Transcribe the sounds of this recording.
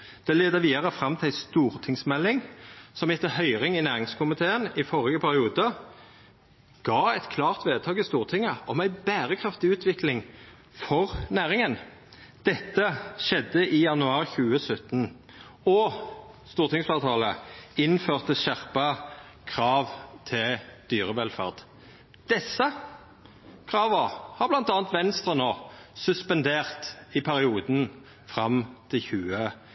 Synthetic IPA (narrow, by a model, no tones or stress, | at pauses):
d̪̥ɛleːd̪əʋiːd̪ɑʁəfʁɑmt̪ʰɪlæɪst̪uːʁt̪ʰɪŋsmɛlːɪŋsɔmɪt̪ːəhœʏʁɪŋɪnæːʁɪŋskʰʊmɪt̪ʰeːənɪfɔʁɪɡəpʰæɾʁɪuːd̪ə | ɡ̥ɑːɛt̪kʰlɑːʁt̪ʋeːd̪̚t̪ʰɑːɡɪst̪uːʁt̪ʰɪŋəɔmæɪbæːʁəkʰʁɑft̪ɪʉːt̪ʰʋɪklɪŋ | fɔʁnæːʁɪŋən | d̪̥ɛt̪ːəʃɛd̪ːəʔɪjɑnʉɑːʁçʉːəsœt̪ːən | ɔ | st̪uːʁt̪ɪŋsfɑːʁt̪ʰɑːləɪnføːʁt̪ʰəʃæʁpə | kʰʁɑːʋt̪ʰɪld̪̥yːʁəʋɛlfæ̰ʁd̪̥ | d̪̥ɛsːə | kʰʁɑːʋəhɑʁblɑnt̪ɑːnt̪ʋɛnst̪ʁənoːsʉspɛnd̪eːʁt̪ɪpʰæʁɪuːd̪n | fʁɑmt̪ʰɪlçʉːə